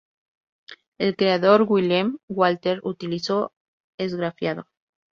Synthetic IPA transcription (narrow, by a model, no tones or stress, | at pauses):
elkɾeaðo̞ɾɣwilamwalt̪eɾut̪iliso̞ | ezɣɾafjaðo̞̰